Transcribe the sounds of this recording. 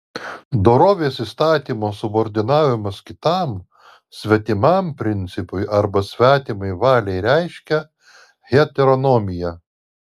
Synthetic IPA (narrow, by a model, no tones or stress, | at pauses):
d̪oːɾoːʋʲeːsist̪ɑːt̪ʲiːmoːsʊboːɾʲd̪ʲɪnɑːʋʲɪmɐskʲɪt̪ɑm | sʲʋʲɛt̪ʲɪmɑmpʲɾʲɪnʲt̪sʲɪpʊɪʔɐɾbɐsʲʋʲæːt̪ʲimɐɪʋɑːlʲɛɪɾʲæɪʃʲkʲɛ | ɣʲɛt̪ʲɛɾonɔmʲɪjɛ